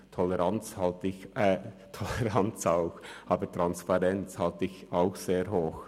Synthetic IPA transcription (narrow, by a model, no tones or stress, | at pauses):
tʰɔlɛɾɑnt͡shɑltɪçɛtʰɔlɛʁɑnt͡saʊxʔɑːbətɾɑnspɑɾɛnt͡shɑltəɪçaʊxseːɾɦoːx